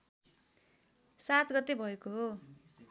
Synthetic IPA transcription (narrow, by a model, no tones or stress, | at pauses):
sat̪ɡʌt̪ebʱʌekoɦo